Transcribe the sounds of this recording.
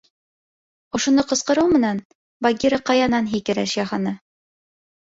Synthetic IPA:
ŏʃŏnɤqɤ̆sqɤ̆ɾɤwmɘ̆næn | bɐɡʲiɾɑqɑjɑnɑnɦikɘ̆ɾæʃjɑχɑnɤ

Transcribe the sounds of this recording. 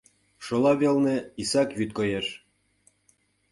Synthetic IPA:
ʃɤ̆lɑβelnĕisɑkβyt̪̚kɤjeʃ

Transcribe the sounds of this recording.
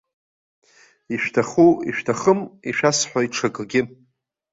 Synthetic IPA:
iʃᶣtʰaχuiʃᶣtʰaχəmiʃᶣasħʷaiʈ͡ʂʰaɡʼɡʲɪ

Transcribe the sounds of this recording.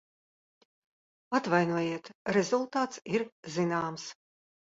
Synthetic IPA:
at̪vajnuɔjiɛt̪ɾɛzulˠt̪aːt̪siɾzinaːms

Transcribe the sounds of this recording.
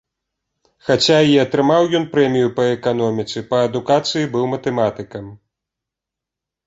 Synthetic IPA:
xat͡sʲaiɐt̪ɾɨmawjɔnpɾɛmʲijupɐɛkan̪ɔmʲit̪sɨpɐɐd̪ukat̪sɨjibɨwmɐt̪ɛmat̪ɨkɐm

